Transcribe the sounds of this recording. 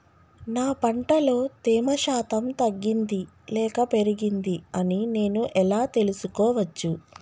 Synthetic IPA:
naːpɐɳʈɐlo̞ːt̪eːmɐʃaːt̪ɐmt̪ɐɡːind̪i | lɛːkɐpe̞ɾiɡind̪iɐnine̞ːnuʔɛlaːt̪e̞lusukɔːʋɐt͡ʃːu

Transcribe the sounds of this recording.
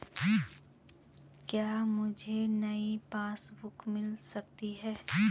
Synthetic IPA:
kjaːmʊd͡ʒʱenɐipaːsbʊkmɪlsɐk̚t̪iɦɛː

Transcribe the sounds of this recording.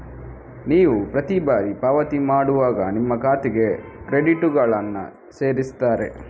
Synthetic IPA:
niːʋupɾɐt̪ibaːɾipaːʋɐt̪imaːɽuʋaːɡɐ̰nimːɐkaːt̪iɡe̞kɾeɖiʈuɡɐɭɐnːɐ̰ | se̞ːɾist̪aːɾe̞̰

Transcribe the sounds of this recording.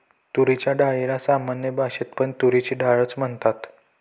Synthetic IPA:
t̪uɾit͡ɕjaɖajelasamanjəbʱaɕet̪pəɳt̪uɾit͡ɕiːɖaɭət͡sm̤əɳt̪at̪

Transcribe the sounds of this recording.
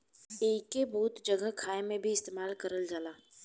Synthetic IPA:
eːkebuːt̪d͡ʒɐɡəɦkʰaːemẽbʱiɪst̪eːmaːlkɐɾəld͡ʒaːlaː

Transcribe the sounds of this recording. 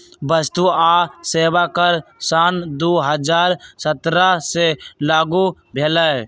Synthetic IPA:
bəst̪uaːseːʋakəɾsaːnd̪oːɦəd͡ʒaːɾsət̪ɾaselaːɡubʱeːlə

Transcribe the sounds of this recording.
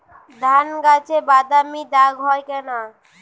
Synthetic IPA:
d̪ʱanɡat͡ʃebad̪amid̪aɡɦɔjkɛna

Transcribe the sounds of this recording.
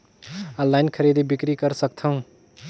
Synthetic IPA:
ʌ̃lːajnkʰəɾid̪ibikɾikʌɾsʌk̚tʰʌũ

